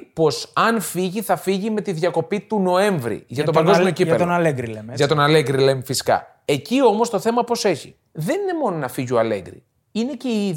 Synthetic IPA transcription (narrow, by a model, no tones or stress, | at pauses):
po̞sɐnfiʝiθɐfiʝime̞t̪iðʝɐko̞pit̪uno̞e̞ɱvɾḭʝɐtt̪opɐŋɡo̞zmiocipenɐleɡɾileʝɐt̪o̞nɐleɣɡɾilemefisi̥kɐ̰ | e̞cio̞mo̞st̪oθe̞mɐpɾo̞se̞çḭ | ðenine̞mo̞no̞nɐfiʝioɐle̞̰ɡɾḭ | ine̞ce̞i